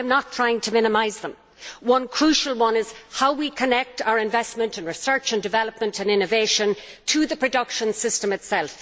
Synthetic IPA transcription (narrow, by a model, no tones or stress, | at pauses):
ɪ̃mnətʰɹ̥aɪɪ̃ŋtʰəmɪ̃nəmaɪzðə̃m | wʌ̃nkʰɹ̥uʃəlˠwʌ̃nɪz̥haʊwikʰənɛk̚taʊə˞ɪ̃ɱvɛsmə̃ntɨ̃nɹɨsɜ˞t͡ʃə̃ndɨvɛlˠəp̚mə̃ntə̃nɪ̃nɨveɪʃə̃n | tʰəðəpʰɹ̥ɨdʌkʃə̃nsɪstə̃mɨtsɛlˠf